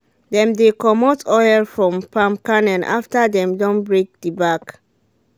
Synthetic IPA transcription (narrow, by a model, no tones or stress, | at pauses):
dɛ̃mdekɔmɔtʰɔjlfɹɔ̃mpãmp̚kanɛ̃nʔa̰ftadɛ̃mdɔ̃nbɹek̚dibak